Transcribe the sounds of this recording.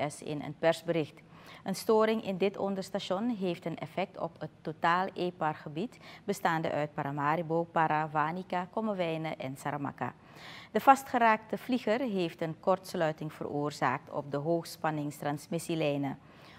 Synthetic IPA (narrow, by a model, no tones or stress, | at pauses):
ɛsɪ̰nə̰npɛrzbəɾɪxt | ʔənstoːɾɪŋʔɪndɪtɔ̰ndərstaʃɔnɦeːftənɛ̰fɛk̚tɔ̰pətːotaːleːpɑrχəbitbəstaːndə̰ʔœɥt̚paɾamaːɾibowpaɾavaːnikakɔməʋɛjnəʔɛnsaɾamɑ̰ka̰ | d̥əv̥ɑstχəɾaːk̚təv̥liχərɦeːftənkɔrtslœɥtɪŋv̥ə̰rʔoːrza̰ːk̚tʰɔ̰p̚dəɦoːxspɑnɪŋstrɑnsmɪsilɛjnə